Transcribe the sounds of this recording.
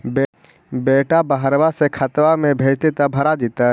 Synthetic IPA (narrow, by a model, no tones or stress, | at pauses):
be | beːʈabaɦəɾʋasekʰət̪ʋamẽbʱeːt͡ʃt̪et̪abʱɐɾad̪eːt̪aɦ